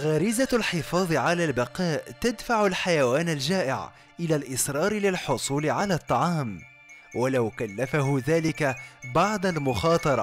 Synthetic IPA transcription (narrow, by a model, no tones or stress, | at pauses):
ɣaːɾɪzalħɪfɑːðˤɨʕalaːlbɑqɑːʔt̪ad̪faʕʊlħajawaːnald͡ʒaːʔɪ̰ʕ | ʔɪlaːlʔɪsɾˤɑːɾɪlɪlħʊsˤuːlɪʕalaːt̪ˤːɑʕɑːm | wʔalawkalːafaɦʊðaːlɪkabɑʕd̪almʊxɑːt̪ˤɑɾˤɑ